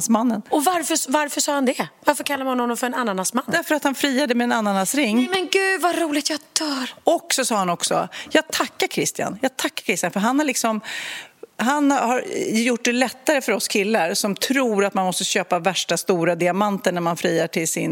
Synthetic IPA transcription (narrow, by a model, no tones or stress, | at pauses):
smanːənɔvaɾfəvaɾfœsɑːhand̪ɛvaɾfœɾkʰalːaɾmnhɔnhɔnːɔmfœɾɛnanːanasmand̪æɾfœəɾat̪hanfɾiːad̪əmɛɛnanːanasɾɪŋːmɛnɡʉ̟ːd̪vaɾuːlɪɡt̪jɑd̪̥œːɾɔkːsɔsɑːhanɔksɔ̰jɑːɡ̚t̪ʰakːaɾkʰɾɪst̪ɪa̰njɑːɡ̚t̪ʰakːaɾkʰɾɪst̪ɪjanfœɾɦanhaɭɪksɔm | ɦanhaɾjʊʈ̚ːd̪ɛlɛt̪ːaɾəfœɾɔskʰɪlːaɾsɔmt̪ʰɾuːɾat̪manmɔst̪əɕøːpavæʂʈast̪uːɾad̪ɪamant̪əɳæɾmanfɾiːaʈʰɪlsɪn